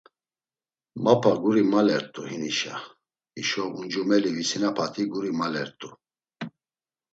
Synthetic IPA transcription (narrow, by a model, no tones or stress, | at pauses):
mapʰaɡuɾimalɛɾt̪ʼuhiniʃa | iʃɔund͡ʒumɛlivisinapʰat̪ʰiɡuɾimalɛɾt̪ʼu